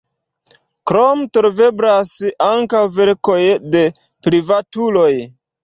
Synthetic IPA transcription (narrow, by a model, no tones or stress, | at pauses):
kɾomtoɾve̞blasaŋkawve̞ɾko̞jde̞ | pɾivatulo̞j